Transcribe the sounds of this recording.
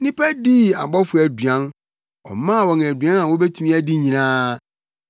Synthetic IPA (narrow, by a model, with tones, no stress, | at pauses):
nɪ̃˦pʰɛ˦di˦˨a˨ɡ͡bɔ˦fʊ˨˦æ˨du˨ã˦n | ɔ̰˨mã˦˨wɔ˨n˨æ˨dɥã˦nã˨wo˦be˦tʰu˦ĩ˦æ˦di˦ɲĩ˨nãː˦